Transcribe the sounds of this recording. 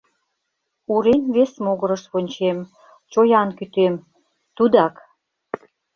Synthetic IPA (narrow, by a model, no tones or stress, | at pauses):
uɾenβesmoɣəɾəʃβonʲt͡ɕem | t͡ɕojɑnkyt̪em | t̪ud̪ɑk